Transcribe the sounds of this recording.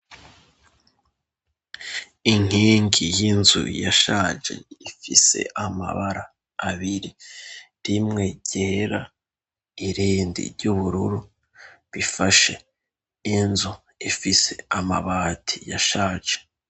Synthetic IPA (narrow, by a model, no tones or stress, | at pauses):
iŋ̥hiːŋɡijinzṵjaʃaːʒe̞̰ifise̞̰ʔama̰βaɾaː | βiɾiɾimŋe̞ɟeɾa | iɾiːndḭɾɟuβuɾuɾu | βifaʃe̞ | inzu | ifise̞̰ama̰βaːtʰija̰ʃaːʒe̥